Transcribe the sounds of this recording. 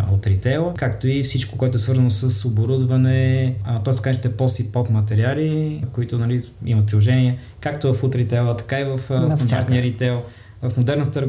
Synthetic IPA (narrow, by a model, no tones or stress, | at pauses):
ot̪ɾit̪ɛlˠəkakt̪oifsit͡ʃkokoɛt̪ʊɛsvɤɾzənosəsoboɾud̪vɐnɛt̪ɔɪst̪ɐkaɛʃt̪ɛpɔsipɔpmɐt̪ɛɾialikoit̪ʊnɐli | imɐt̪pɾilˠoʒɛniə | kakt̪ʊvɐfut̪ɾit̪ɛlˠət̪ɐ̥kaivəft̪ɐnd̪aɾt̪nijəɾit̪ɛlˠ | vɐfmod̪ɛɾnɐt̪t̪əɾɡ